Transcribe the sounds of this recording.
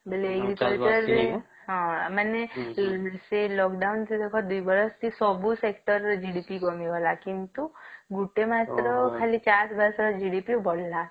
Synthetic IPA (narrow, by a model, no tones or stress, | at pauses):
beleekɾit̪it̪əɾ | ɦãməne | selɔkɖaunt̪ʰid̪ekʰɔd̪uiʋəɾəst̪ʰisɔbũsekʈəɾd͡ʒiɽipiɡɔmiʋəlakint̪uɡuʈemat̪ɾəkʰalit͡ʃasbəɾsd͡ʒiɽipiubʱɔɽla